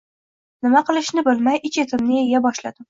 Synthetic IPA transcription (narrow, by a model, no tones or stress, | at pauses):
nɪmaqɨlˠɪʃnɪbɪlmajʔɪt͡ʃʰet̪ʰɪmnɪejabɒʃla̰d̪ɪm